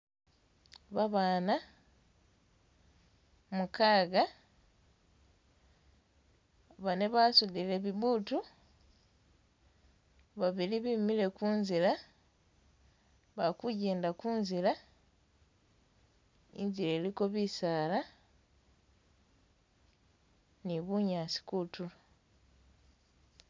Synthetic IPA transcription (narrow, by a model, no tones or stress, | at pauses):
βaβaːna | mukaːɡa | βaneβasudile̞βiβuːtu | βaβiliβimile̞kuːnzila | βakuɟe̞ːndakuːnzila | ḭɲzile̞ːliko̞βisaːla | niβuɲaːsi̥kutula